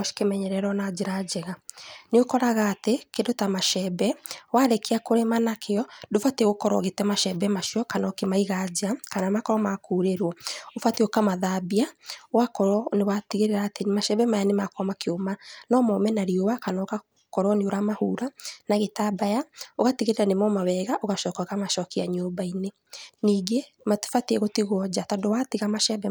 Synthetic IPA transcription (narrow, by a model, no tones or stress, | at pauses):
ɔʃi̥kemɛɲɛɾɛɾɔnad͡ʒeɾad͡ʑɛɣaneokɔɾaɣaːtekendotamaʃɛbɛwaɾekeakoɾemanakʰeɔdofateɣokɔɾɔ̰ɣetɛmaʃɛbɛmaʃiɔkanɔkemaiɣad͡ʑakanamakɔɾɔmakuɾeɾwɔofateokamaðabiawakɔɾɔnewatiɣeɾeɾaːtenmaʃɛbɛmajanemakɔmakʰeomanɔmɔmɛnaɾiowakanaka | kɔɾwɔneoɾamahuɾanaɣetabajaoɣatiɣeɾeɾanemɔmawɛɣaʔoɣaʃɔːkaɣamaʃɔkiaɲoːbaine | niːɡe | mḁfatiɛɣotiɣwɔd͡ʑatadowatiɣamaʃɛbɛ